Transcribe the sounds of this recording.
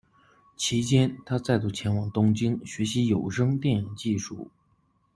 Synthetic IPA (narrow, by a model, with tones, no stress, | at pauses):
t͡ɕʰi˧˥t͡ɕjɛ˥nt̪ʰa˥t͡sa˥˧ɪt̪u˥˩t͡ɕʰjɛ˧˥nwɑ˨˩ŋt̪ʊ˥ŋt͡ɕi˥ŋɕɥɛ˧˥ɕi˧˥jo˨˩ʊʂɤ˥ŋt̪jɛ˥˩ni˨˩ŋt͡ɕi˥˧ʂṵ˥˩